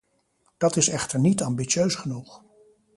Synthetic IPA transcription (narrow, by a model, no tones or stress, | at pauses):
d̥ɑtɪsɛχtəɹnitɑmbitʃøɥsχənuχ